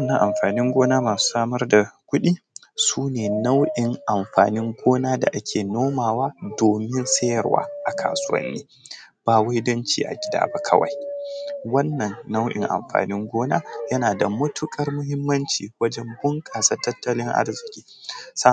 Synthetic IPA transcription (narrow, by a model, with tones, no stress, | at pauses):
wnːɐ˨ŋʔa̰˨mɸaː˨nɪ˦ŋɡʷoː˦naː˦maː˨su̥ː˦saː˦mɐ˦rda˨kʷʊ˦ɗiː˦ | suː˦neː˨na˦wʔɪ˨ŋʔa˨mɸa̰ː˨nɪ˦ŋɡʷoː˦naː˦da̰˨ʔa˦kʲʰeː˨noː˦maː˨waː˦doː˨mɪ˦nsɐ˦jɐ˨rwa̰ː˦ʔa˨kʰa̰ː˨sʊ˦wɐ̰˦nːḭː˦ | b̥aː˨wa˦jdɐ˦nt͡ʃḭː˨ʔa̰˨ɡʲɪ˦da̰ː˦ba˦kʰɐ̰˦wa̰˨j | wɐ˦nːɐ˨nːa˦wʔɪ̰˨ŋʔa̰˨mɸa̰ː˨nɪ˦ŋɡʷoː˦na̰ː˦jɐ˦naː˨da˨mʊ˦tʊ˦kʼɐ˦rmʊ˦hɪ˦mːɐ˦nt͡ʃiː˨wɐ˦d͡ʒɛ˦mbʊ˦ŋkʼaː˨sɐ˦tːɐ˦tːɐ˦lɪ˦ŋʔa̰˦rzɪ˨kʲʼiː˦sa˦